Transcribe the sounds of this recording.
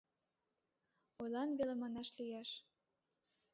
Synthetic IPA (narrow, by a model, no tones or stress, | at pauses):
ojlɑnβelemɑnɑʃlijæʃ